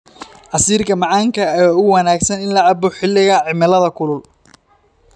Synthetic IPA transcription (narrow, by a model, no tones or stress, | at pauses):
ʕɑsiːrkʰɐmɑʕɑːŋkʰɐɛːʊwɑnaːɡsɐnɪnlɐʕɑbɔħɪlːɪɣɐʕɪmɪlɐðɐkʰʊlʊl